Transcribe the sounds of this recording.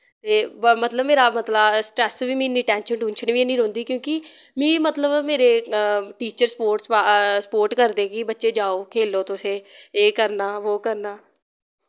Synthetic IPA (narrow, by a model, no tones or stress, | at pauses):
t̪eːmət̪ləbmeːɾaːmət̪lasʈɾɛːsʋiːmĩːniːʈɛ̃ːnʃəɳʈuːnʃənʋiːeːniːɾõːnd̪iːkjõːkɪ | mĩːmət̪ləbmeːɾeːʈiːt͡ʃəɾspoːɾʈsasə̥poːɾʈkəɾd̪eːkɪbətːʃeːd͡ʒaːoːkʰeːloːt̪ʊseːeːkəɾnaːʋoːkəɾnaː